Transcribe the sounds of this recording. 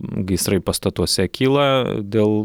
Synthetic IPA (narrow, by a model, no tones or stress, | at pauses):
ɡʲɐɪsɾɐɪpɐst̪ɐt̪uɔsʲɛkʲʰiːlˠɐd̪ʲeːlˠ